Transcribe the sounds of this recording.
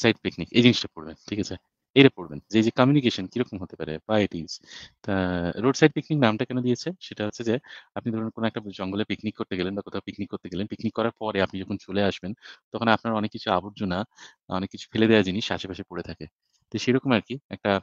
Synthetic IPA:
sajɖ̚piknikejd̪iniʃʈapoɾbenʈʰikat͡ɕʰe | ejɾapoɾbend͡ʑejd͡ʑekɔmjunik̬eʃonkiɾɔkomɦot̪epaɾḛbajeʈizt̪aɾoɖsajɖ̚pikniknamʈakɛnod̪ijet͡ɕʰeʃeʈaɦotːʰed͡ʑeapnid̪ʱɔɾonkonoɛkʈad͡ʑɔŋɡolepiknikːoɾt̪eɡelenbakot̪ʰaopiknikːoɾt̪eɡelenpiknikːɔɾaɾpɔɾeapnid͡ʑɔkʰont͡ɕoleaʃbent̪ɔkʰoneapnaɾɔnekːit͡ɕʰuaboɾd͡ʑona | ɔ̰nekːit͡ɕʰu̥feled̪ɛad͡ʑiniʃaʃʰepaʃepoɾet̪ʰake | t̪ɔʃejɾɔkomaɾkiɛk̚ʈa

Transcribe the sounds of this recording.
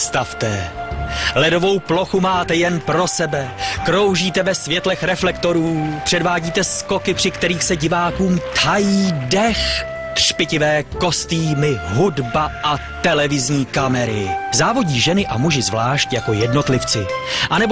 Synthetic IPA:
st̪aft̪ɛ | lɛdo̞vo̞wplo̞xumaːt̪ɛjɛnpɾo̞sɛbɛkɾo̞wʒiːt̪ɛvɛsvjɛt̪lɛxɾɛflɛkt̪o̞ɾuːpr̥ɛdvaːɟiːt̪ɛsko̞kɪpr̥ɪkt̪ɛɾiːxsɛɟɪvaːkuːmt̪hajiːdɛx | t̪r̥pɪcɪvɛːko̞st̪iːmɪɦudbaʔat̪ɛlɛvɪzɲiːkamɛɾɪzaːvo̞ɟiːʒɛnɪʔamuʒɪzvlaːʃcjako̞jɛdno̞t̪lɪft͡sɪʔanɛb

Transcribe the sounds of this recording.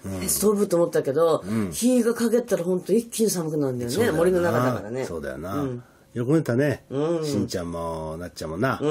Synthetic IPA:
esɨ̥t̪obɯ̟t̪ːomot̪ːake̞d̪õ̞çiːɡakaɡe̞t̪ːaɾahõ̞nt̪o̞ikʲːiɲisamɯ̟kɯnaɯ̃nd̪ajonemo̞ɾʲino̞nakaaka̰ɾaneso̞̰ːd̪a̰jo̰nã | jokonet̪aneɯ̃ɕĩɲt͡ɕãmːonat͡ɕt͡ɕamona

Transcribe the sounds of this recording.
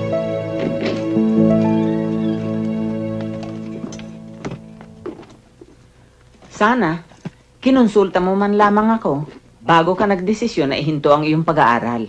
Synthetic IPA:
saːna | kɪnʊnsult̪ɐmomanlaːmaŋɐko̞ | baːɡokɐnɐɡ̚d̪ɪsɪsjonːɐ̰ʔɪɦɪnt̪oʔɐŋʔɪjoŋpɐɡaʔa̰ːɾal

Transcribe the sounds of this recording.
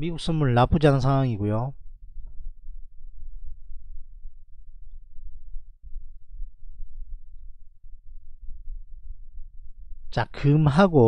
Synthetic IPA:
miɡuk̚s͈ʌnmuɭnapʰud͡ʑiɦanɯnsʰaŋwaŋiɡojo | t͡ɕakɯmɦaɡo

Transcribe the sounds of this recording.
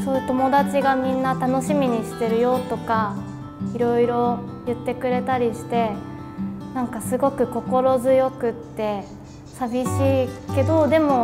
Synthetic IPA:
soːjɯ̟t̪o̞mo̞d̪at͡ɕiɡamʲĩnːat̪ano̞ɕimʲiɲ̟iɕi̥t̪e̞ɾɯ̟jo̞t̪o̞ka | iɾo̞iɾo̞ | jɯ̟t̪ːe̞kɯ̟ɾe̞t̪aɾʲiɕi̥t̪e̞ | nãŋkasɨɡo̞kɯ̟ko̞ko̞ɾo̞zɨjo̞kɯ̟t̪ːe̞ | sabʲiɕiːke̞d̪o̞d̪e̞mo̞

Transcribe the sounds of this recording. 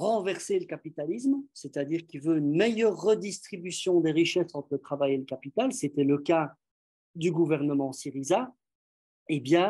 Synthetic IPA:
ʁɑ̃vɛʁseləkapit̪alis̬mset̪ad̪iːʁkʲilvøynmejœʁːəd̪ist̪χibysjɔ̃d̪eʁiʃɛsɑ̃t̪χlət̪χavajeləkapit̪alset̪ɛləka | d̪yɡuvɛʁnəmɑ̃siʁiza | ebjɛ̃

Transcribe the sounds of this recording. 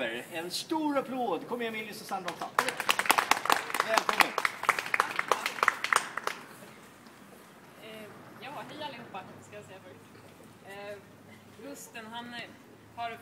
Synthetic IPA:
əɾɛnst̪uːɾapʰloːd̪kʰɔmːəjamɪlːɪsɔsanɾɔt̪ːa̰ | vɛːlkʰɔmːən | jɑːɦɛjːalːɪhuːpːaskajasɛjːafœɾɪ | hɵst̪ənɦan | haɾ

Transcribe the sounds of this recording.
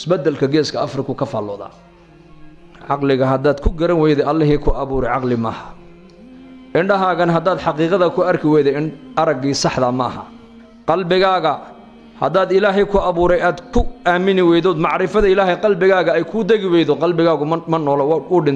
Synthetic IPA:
ɪsbɐd̪ːɛlkʰɐɡɛːskʰɐɐfrɪkʰʊkʰɐfa̰ːlːɔ̰ːða̰ː | ʕɑqlɪɣɐɦɐd̪aːd̪kʰʊɡɐɾɐnwɛjðɛɐlːɐɦiːkʰʊʔɑβuːɾɛjʕɑqlɪmɐ̰ːhɐ̥ | ʔɪɳɖɐɦaːɣɐnɦɐd̪aːd̪ħɑqiːqɑðɐkʰʊɐrkʰɪwɛjðɛɪɐɾɐɡiːsɑħðɐmɐ̰ːhɐ̰ | qɑlbɪɣaːɣɐ | hɐ̰d̪aːd̪ɪlaːɦɛjkʰʊɑβuːɾɛjaːd̪kʰʊaːmɪnɪwɛjðɔd̪mɑʕɾɪfɐðɐɪlaːɦɛjqɑlbɪɣaːɣɐɛjkʰʊd̪ɛɣɪwɛjðɔqɑlbɪɣaːɣʊmɐnɔːlɔwʊɖɪn

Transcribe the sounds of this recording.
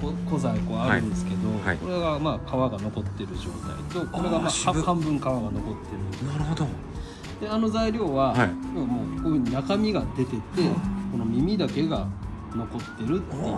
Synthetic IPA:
koko̞zako̞ːaɾɯ̃nd̪e̞sɨ̥ke̞d̪o̞ko̞ɾeɡamaːkʰaβaɡano̞ko̞t̪ːe̞ɾɯ̟ʑo̞̰ːt̪a̰ḭt̪o̞koɾe̞ɡamahãmbɯ̟̃ŋkaβaɡano̞ko̞t̪ːe̞ɾɯ̟̃nɾɯd̪ | d̪̥e̞ano̞zaiɾʲo̞ːβaoβamo̞ːkoːɯɲ̟inakamʲiɡad̪e̞t̪e̞t̪e̞kono̞mʲimʲid̪ake̞ɡa | no̞ko̞t̪ːe̞ɾɯ̟t̪ːe

